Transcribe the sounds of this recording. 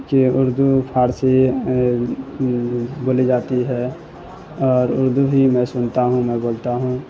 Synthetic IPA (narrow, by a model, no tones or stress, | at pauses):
kiʊɾd̪upʰaːɾsi | boːlid͡ʒaːt̪iɦɛː | ɔːɾʊɾd̪ʱuɦimɛ̃sʊnt̪aɦũmɛ̃boːlt̪aɦũ